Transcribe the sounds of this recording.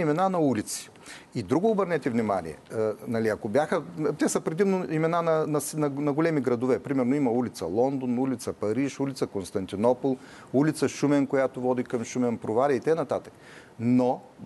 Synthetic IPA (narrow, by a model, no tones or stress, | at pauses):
imɛnanɐulit̪si̥ | id̪ɾuɡʊːbəɾnɛt̪ɛvnima̰nḭɛ̰nɐliɐkobjaxət̪ɛsəpɾɛd̪imnoimɛnanɐnɐsnɐnɐɡolɛmiɡɾɐd̪ovɛpɾimɛɾnoimɐulit̪sɐ̰lˠɔnd̪onulit̪səpɐɾiʃulit̪səkonst̪ɐnt̪inɔpolˠ | ulit̪səʃumɛnkojat̪ovɔd̪ikɐmʃumɛnpɾovalʲɛit̪ɛnɐt̪at̪ə̥k | no